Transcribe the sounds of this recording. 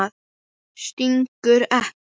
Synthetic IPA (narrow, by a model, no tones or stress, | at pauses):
ð | st̪iŋkʏɾɛh